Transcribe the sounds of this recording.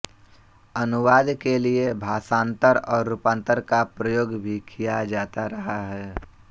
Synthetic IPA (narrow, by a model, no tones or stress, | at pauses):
ɐnʊʋaːd̪keliebʱaːsãːnt̪əɾɔːɾːuːpãːnt̪əɾkapɾəjoːɡbʱikʰijad͡ʒaːt̪aɾɐɦaɦɛː